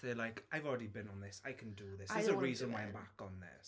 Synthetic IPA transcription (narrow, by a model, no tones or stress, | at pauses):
ðəlaɪkaɪvɔlˠɹɛdibɪ̃nə̃nðɪsaɪkʰə̃ndəðɪsəzəɹiːzə̃nwaɪãmbakə̃n̩ðɪ̰s